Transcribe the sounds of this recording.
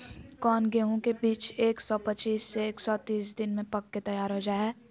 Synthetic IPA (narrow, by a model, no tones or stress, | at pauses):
kɔːnɡeːɦõkebiːt͡ʃeːksɔpɐt͡ʃiːsːeeːksɔt̪iːsd̪ɪnmẽpɐkːet̪ɐjaːɾɦod͡ʒaːɦɛː